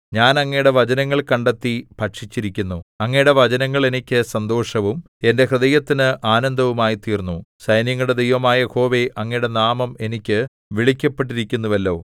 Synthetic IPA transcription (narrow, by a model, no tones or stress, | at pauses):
ɲaːnɐŋːɐjɽe̞ʋɐd͡ʑɐnɐŋːɐɭkɐɳɖet̪ːipɐʈʂit͡ɕːiɾikʲːunːuɐŋːɐjɽe̞ʋɐd͡ʑɐnɐŋːɐɭe̞nikʲːɨsɐnd̪o̞ːʂɐʋum | e̞nde̞krɨðɐjɐt̪ːinɨʔaːnɐnd̪ʱɐʋumaːjit̪iːrnːusɐjnjɐŋːuɽed̪ʱijʋɐmaːjɐho̞ːʋeʔɐŋːɐjɽe̞naːmɐme̞nikʲːɨ | ʋiɭikʲːɐpːe̞ʈ̬ːiɾikʲːunːuʋɐlːo̞ː